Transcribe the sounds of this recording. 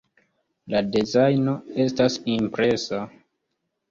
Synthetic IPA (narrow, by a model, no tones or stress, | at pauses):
ladezajno̞e̞stasimpɾe̞sa